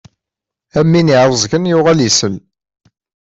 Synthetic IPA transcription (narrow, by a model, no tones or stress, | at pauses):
æmːiniʕɾˤəzˤɡənjʊʁæljisəl